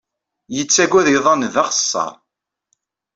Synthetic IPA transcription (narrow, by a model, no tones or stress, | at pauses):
jət͡sːæɡʷæðiðˤɑnðɑχə̥sˤːɑ̰ɾˤ